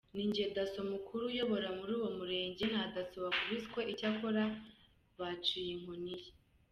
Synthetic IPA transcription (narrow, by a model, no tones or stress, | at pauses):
niɲɟedaso̞mukʰuɾujo̞βo̞ɾamuɾuːwo̞muɾe̞ːɲɟen̥hadasoβakuɾiskweʔicakoɾa | βat͡ʃijeŋ̥onije